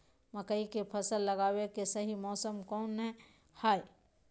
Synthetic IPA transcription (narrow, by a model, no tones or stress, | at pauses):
məkəikepʰəsəlːəɡaːwekesəɦimɔːsəmkɔːnɦɛ̃ | haːi